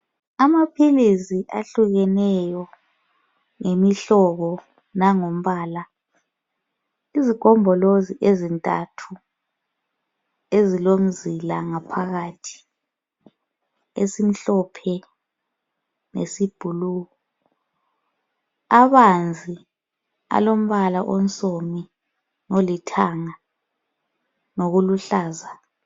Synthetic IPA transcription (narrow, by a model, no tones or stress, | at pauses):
amapʰiliziʔa̰ɬuɣɛnɛjɔ | ŋemiɬɔɣɔ | naŋom̩βaːla | iziɡ̥ʱɔmbʱɔloziʔezintʼa̰tʰu | ezilom̩zilaŋapʰaɣatʰi̥ | esim̩ɬɔpʰɛ | nesib̥ʱuluːɣɔ | aβand͡zʱi | a̰lom̩βalaʔonsʼomi | nolitʰaŋa | noɣuluɬaːza